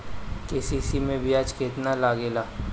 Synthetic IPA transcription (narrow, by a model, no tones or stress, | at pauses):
keːsiːsimẽbʱiaːd͡ʒkeːt̪nalaːɡeːlaː